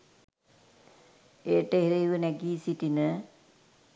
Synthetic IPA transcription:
eːʈəɦeɾejʋənæɡiːsiʈinə

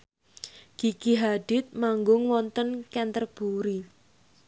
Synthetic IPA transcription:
ɡ̥i̤kiɦaɖ̥ɪ̤t̪̚maŋɡʊŋwɔnt̪ənkɛnt̪ərb̥uɾi

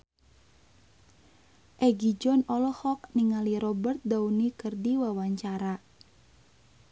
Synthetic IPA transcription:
ʔɛɡid͡ʒɔnɔlɔhɔk̚niŋaliɾɔbərt̪̚daunikərdiwawaɲt͡ʃaɾa

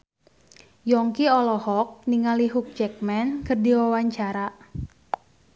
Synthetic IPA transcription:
jɔŋkiɔlɔhɔk̚niŋaliɦuk̚t͡ʃɛk̚mɛnkərdiwawaɲt͡ʃaɾa

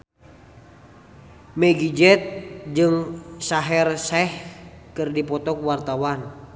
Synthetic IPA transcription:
mɛɡid͡ʒɛt̪̚d͡ʒɨŋsaɦɛrsɛh | kɨrdipɔt̪ɔkwart̪awan

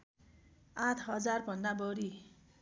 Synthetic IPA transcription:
ãt̪ʰɦʌd͡zarbʱʌnːabʌɾi

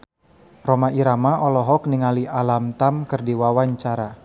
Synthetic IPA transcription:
romaiɾamaʔɔlɔɦɔk̚niŋaliʔalamt̪amkərdiwawaɲt͡ʃaɾa

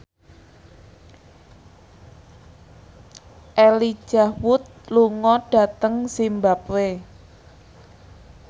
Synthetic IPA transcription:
ʔeli̥ʒ̥ahwʊt̪̚luŋɔɖ̥ä̤t̪əŋsimbapwe

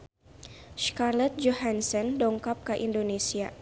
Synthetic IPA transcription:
skarlɛt̪̚d͡ʒoɦansɔndɔŋkap̚kəʔindonesia

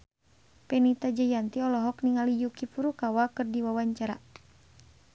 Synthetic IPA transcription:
pɛnit̪ad͡ʒajant̪iɔlɔɦɔkniŋalijukipuɾukawakɨrdiwawaɲt͡ʃaɾa̰

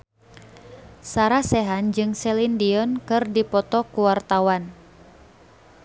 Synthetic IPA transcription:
saɾasɛɦand͡ʒɨŋsɛlindiɔnkɨrdipɔt̪ɔkuwart̪awan

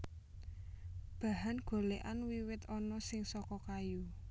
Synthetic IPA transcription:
b̥ä̤ɦanɡ̥o̤leʔanwiwɪt̪ɔnɔsɪŋsɔkɔkaju

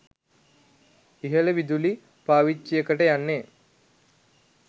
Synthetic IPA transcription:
iɦələʋid̪uli | paːʋit͡ʃːijəkəʈəjanːe

